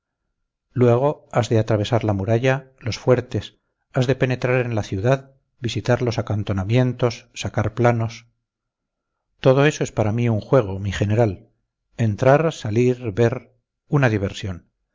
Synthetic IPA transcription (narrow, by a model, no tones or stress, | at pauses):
lwe̞ɣ̞o̞azðe̞at̪ɾaβe̞saɾlamuɾaʎalo̞sfwe̞ɾt̪e̞s | azðe̞pe̞ne̞t̪ɾaɾe̞nlaθjuðað | bisit̪aɾlo̞sakant̪o̞namje̞nt̪o̞sːakaɾplano̞s | t̪o̞ð̞o̞e̞so̞e̞spaɾamiuŋxwe̞ɣ̞o̞miχe̞ne̞ɾal | e̞nt̪ɾaɾsaliɾβe̞ɾ | unaðiβ̞e̞ɾsjo̞n